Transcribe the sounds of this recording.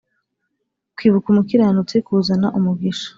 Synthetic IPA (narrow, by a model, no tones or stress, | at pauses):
kwiːβukumukiɾaanut͡sekuːzanaʔumuɡiʃḁ